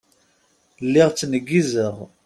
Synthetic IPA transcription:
lːɪʁt͡sːnəɡːizəʁ

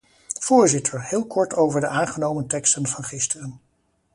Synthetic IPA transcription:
v̥ʊːɹzɪtʰəɹhɪːlˠkɔɹtowvəɹdəʔaːnχənowməntɛkstənvɑnχɪstərən

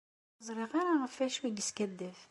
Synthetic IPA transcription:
zˤɾˤiʁaɾaʁəfæʃwiɡəskæd̪ːəf

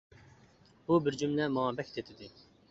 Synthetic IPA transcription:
bubɪɾd͡ʒumlɛmɑŋɑbɛk̚ʲt̪ʰet̪ʰɪd̪ɪ

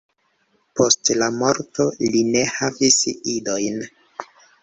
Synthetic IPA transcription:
po̞stlamo̞ɾto̞line̞havisido̞jn

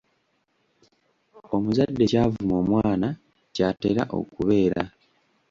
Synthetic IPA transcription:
o̞muzadːe̞caːvumo̞ːmwaːna | caːteɾa̰ʔo̞̰kuβe̞ːɾa

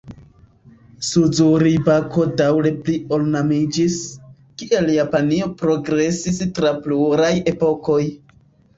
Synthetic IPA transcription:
suzuɾibako̞dawle̞plio̞lnamid͡ʒis | kiʔe̞ljapanio̞pɾo̞ɡɾe̞sistɾapluɾaje̞po̞ko̞j

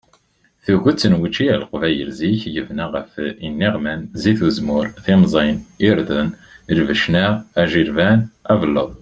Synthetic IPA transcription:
θuʝət͡sːənwət͡ʃːiælqvæjə̰ɾziçjəvnæʁəfinːiʁmænziθuzmʊɾθimzˤiniɾðəniɾvəʃnæʁæʒiɾvænævəlːə̰ðˤ

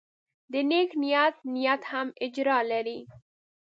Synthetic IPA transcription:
d̪əneknijat̪nijat̪hamɪd͡ʒɾɑːlaɾi

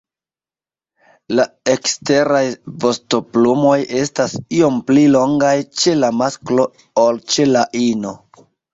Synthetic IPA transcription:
la | e̞kste̞ɾajvo̞sto̞plumo̞je̞stasio̞mplilo̞ŋɡajt͡ʃe̞lamasklo̞ | olt͡ʃe̞laʔino̞

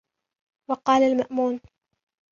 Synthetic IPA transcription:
wɑqɑːlalmaʔmuːn

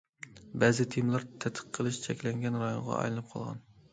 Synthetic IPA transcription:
bɛzɪt̪ʰimlˠɑɾt̪ʰɛt̪ʰə̥qʰːəlˠɨʃt͡ʃʰɛkʲlɛŋɡʲɛnɾɑjo̰nʁɑ̰ʔɑ̰jlˠɨnɨp̚qʰɑ̰lˠʁɑ̰n

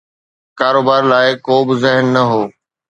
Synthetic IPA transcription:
kaːɾoːbaːɾlaːɪkoːbɪzɪɦnːɐɦoː

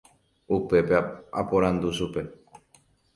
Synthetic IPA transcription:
upe̞peapoɾãnd̪uʃupe̞

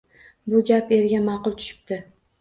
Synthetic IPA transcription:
bʊɡʲape̞ɾɡʲamɑqʊlˠt̪ʰʊ̥ʃɪ̥p̚t̪ɪ

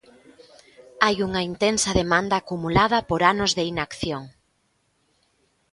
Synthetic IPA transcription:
ajuŋɐint̪ensɐðemãnd̪aːkumulað̞ɐpoɾanʊzðeinakθjoŋ

